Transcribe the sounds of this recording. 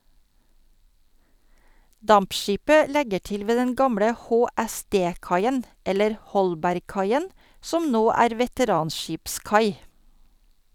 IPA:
ˈdɑmpˌʃiːpə ˈlɛɡə ˈʈɪl ˈʋeː ˈdɛn ˈɡɑmɽə hoːæˈsdeː ˈkɑɪən ˈɛləɾ ˈhɔlbæɾɡˌkɑɪən ˈsɔm ˈnoː ˈæːɾ ʋɛtəˈɾɑːnˌʃiːpˌskɑɪ

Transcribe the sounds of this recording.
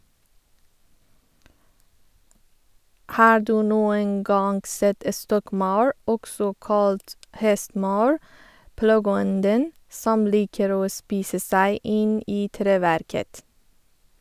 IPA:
ˈhɑː ˈduː ˈnuːən ˈɡɑːŋ ˈsɛt ə ˈstɔkˌmɑʉɹ ˈɔɡsɔ ˈkɑːlt ˈhɛstˌmɑːəɹ ˈplɑɡəˌɔndən ˈsɔm ˈliːkəɾ ˈoː ˈspiːsə ˈsæɪ ˈʔɪn ˈiː ˈtɾeːˌʋæɾkət

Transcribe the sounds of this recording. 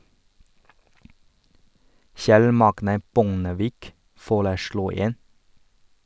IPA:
ˈçɛl ˈmɑɡnə ˈbʊŋəʋiːk ˈfoːɭəˌsɽuː ˈeːn

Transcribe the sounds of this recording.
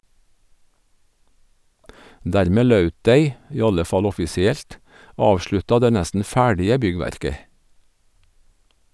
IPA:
ˈdæɾˌmeː ˈlɑʉt ˈdeɪ ˈiː ˈɑlə ˈfɑl ˌɔfɪsɪˈɛlt ˈɑːʋʃɭʉtɑ ˈdeː ˈnæstn̩ ˈfæːɖɪə ˈbʏˌɡʋæɾkə

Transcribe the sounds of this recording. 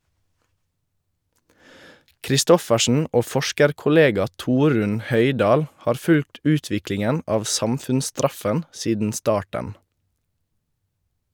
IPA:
kɾɪˈstɔfəʃn̩ ˈoː ˈfɔʃkəɾkʊˌleːɡɑ ˈtuːɾʉn ˈhœʏˌdɑːl ˈhɑːɾ ˈfʉlt ˈʉːtʋɪklɪŋən ˈɑːʋ ˈsɑmfʉnsˌstɾɑfən ˈsiːdn̩ ˈstɑːʈən

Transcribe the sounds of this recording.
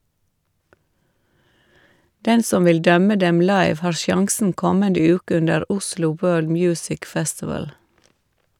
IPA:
ˈdɛn ˈsɔm ˈʋɪl ˈdœmə ˈdɛm ˈlɑɪʋ ˈhɑːɾ ˈʃjɑŋsn̩ ˈkɔməndə ˈjʉːkə ˈʉndəɾ ˈʊslʊ ˈwɜːɭd ˈmjʉːsɪk ˈfɛstɪʋəl

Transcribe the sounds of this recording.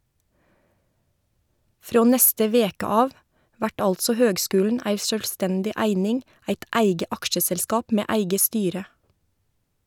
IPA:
ˈfɾoː ˈnɛstə ˈʋeːkə ˈɑːʋ ˈʋæʈ ˈɑltsɔ ˈhøːɡˌskʉːln̩ ˈæɪ ʃœlˈstɛndɪ ˈæɪnɪŋ ˈæɪt ˈʔæɪɡə ˈɑkʃəsɛlˌskɑːp ˈmeː ˈʔæɪɡə ˈstyːɾə

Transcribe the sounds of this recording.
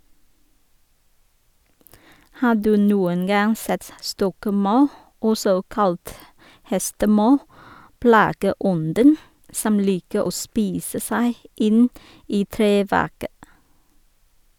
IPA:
ˈhɑː ˈdʉː ˈnuːən ˈɡɑŋ ˈsɛt ˈstɔkˌmɑʉ ˈɔsɔ ˈkɑlt ˈhɛstəˌmɑʉ ˈplɑːɡəˌɔndən ˈsɔm ˈliːkə ˈoː ˈspiːsə ˈsæɪ ˈɪn ˈiː ˈtɾeːˌʋæʁkə

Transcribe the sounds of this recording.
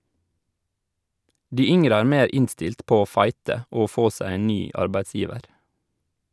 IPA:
ˈdiː ˈʏŋəɾə ˈæːɾ ˈmeːɾ ˈɪnstɪlt ˈpoː ˈoː ˈfɑɪtə ˈoː ˈfoː ˈsæɪ ˈeːn ˈnyː ˈʔɑɾbæɪtˌsjiːʋəɾ

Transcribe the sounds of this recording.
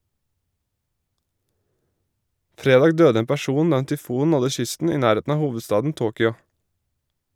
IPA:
ˈfɾeːdɑːɡ ˈdøːdə ˈeːn pæˈʃuːn ˈdɑː ˈeːn tʏˈfuːn ˈnɔdə ˈʃʏstn̩ ˈiː ˈnæːˌɾeːtn̩ ˈɑː ˈhuːʋədˌstɑːdn̩ ˈtoːkʏɑ

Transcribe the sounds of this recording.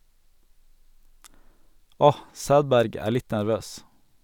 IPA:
ˈɔh ˈsæːdˌbæɾɡ ˈæː ˈɭɪt næɾˈʋøːs

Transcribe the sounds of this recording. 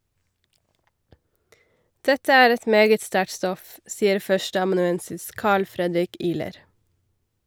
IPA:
ˈdɛtə ˈæːɾ ˈɛt ˈmeːɡət ˈstæʈ ˈstɔf ˈsiːəɾ ˈfœʃʈəɑmɑnʉˌɛnsɪs ˈkɑːɭ ˈfɾɛdɾɪk ˈiːləɾ

